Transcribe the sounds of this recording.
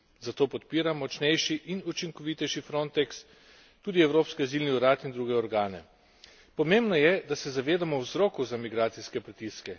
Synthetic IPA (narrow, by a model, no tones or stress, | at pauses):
zat̪oːpɔt̪piːɾamːɔt͡ʃnɛjʃiʔinut͡ʃiŋkɔʋit̪ɛjʃifɾont̪ɛks | t̪uːd̪iɛwɾoːpskɛzilniuɾaːt̪ind̪ɾuːɡɛɔɾɡaːnɛ̰ | pɔmembnɔjɛd̪asɛzaʋeːd̪amɔwzɾoːkuzamiɡɾaːt̪siskɛpɾit̪iskɛ